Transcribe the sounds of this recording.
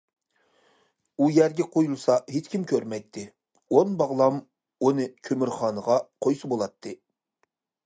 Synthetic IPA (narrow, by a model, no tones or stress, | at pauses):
ujæɾɡʲɛqʰojulˠsɑɦet͡ʃkʲʰimkʲʰøɾmɛjt̪ʰːɪ | onbɑʁlˠɑm | unɨkʲʰømyɾχɑːnəʁɑqʰojsɨbolˠɑt̪ʰːɨ